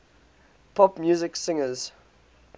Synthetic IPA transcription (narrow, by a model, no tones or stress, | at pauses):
pʰɔpmjuːzɪksɪ̃ŋəz̥